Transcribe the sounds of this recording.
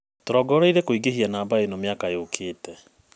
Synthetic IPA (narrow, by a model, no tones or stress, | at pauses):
toɾɔɡɔɾeiɾekoiɡehianaːbaenɔmjakajeokʰeːtɛ